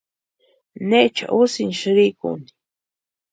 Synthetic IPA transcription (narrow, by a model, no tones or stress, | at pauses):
net͡ʃa̰ʔusinʃɾikṵni̥